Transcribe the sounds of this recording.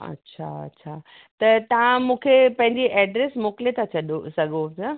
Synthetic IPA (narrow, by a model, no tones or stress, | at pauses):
ɐ̰tːɕʰa̰ɐ̰tːɕʰa | t̪ɐt̪ɐʋ̤ãmũːkʰepɐ̃ɦɪ̃ɲd͡ʑiʔɛːɖɾesmoːkɪlet̪ʰat͡ɕʰɐɗosɐɡʱoa